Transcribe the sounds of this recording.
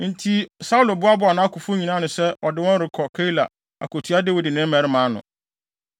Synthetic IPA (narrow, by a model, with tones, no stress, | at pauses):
n̩˨tʰi˦sa˦u˦lo˨bʊ˦a˦bʊ˦a˨nã˦kʰʊ˨fʊ˦ɲĩ˨nã˦nʊ̃˨sɛ˦ʔɔ˨dɪ˦wɔ̃˦n˦ɾɪ˨kʰɔ˨kʰa˦i˦la̰˨ | a̰˨ko˨tʰu˨˦a˦de˦wi˨dɪ˨nɪ̃˦mɛ̃˨˦ɾɪ˦mãː˨˦nʊ̰̃˨